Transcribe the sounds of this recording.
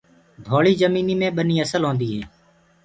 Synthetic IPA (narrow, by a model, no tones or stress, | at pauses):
d̪ʱoːɭiːzəmiːniːmẽːɓəniːəsəlɦõːnd̪iːɦɛː